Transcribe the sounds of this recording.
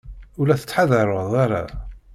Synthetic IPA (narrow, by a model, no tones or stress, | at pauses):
ulæθə̥t͡sːħaðəɾˤoðˤaɾa̰